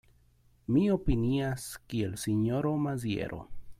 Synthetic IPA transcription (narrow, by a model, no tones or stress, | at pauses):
miopiniaskielsiɲoɾomaz̬jḛɾʔo̰